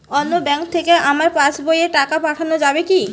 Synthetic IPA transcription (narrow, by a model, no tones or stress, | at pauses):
ɔnːobɛŋkt̪ʰekeʔamaɾpat͡ɕbojeʈakapaʈʰanod͡ʑabeki